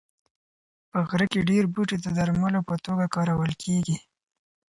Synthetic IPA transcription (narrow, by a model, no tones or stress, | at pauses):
pəɣɾəkeɖeɾbuʈed̪əd̪aɾmalopət̪oɡakɑɾawəlkʰeɡi